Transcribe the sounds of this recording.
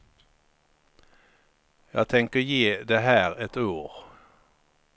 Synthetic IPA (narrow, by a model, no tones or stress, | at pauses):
jɑ̰ːɡ̚t̪ʰɛŋkəjeːd̪ɛɦæːɾɛt̪uːɾ